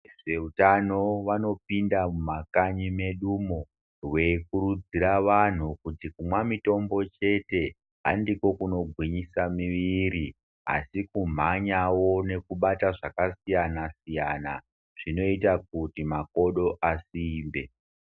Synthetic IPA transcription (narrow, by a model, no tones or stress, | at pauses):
ʐe̞utano̞ʋano̞pindamumakaɲime̞ɗumo | we̞kuɾud͡ziɾaʋan̤ukutikumwamito̞mbo̞t͡ʃe̞te̞ | a̰ndiko̞kuno̞ɡʱwiɲisamiʋiɾi | a̰sikum̤aɲawo̞ne̞kuɓataʐakasijanasijana | ʐ̥ino̞itak̚utimako̞ɗo̞ʔasiːmbe̞